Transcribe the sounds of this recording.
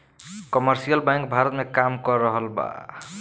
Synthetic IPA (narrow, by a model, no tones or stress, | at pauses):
kɔməɾsijəlbãŋkbʱaɾət̪mekamkɔɾːəɦəlba̰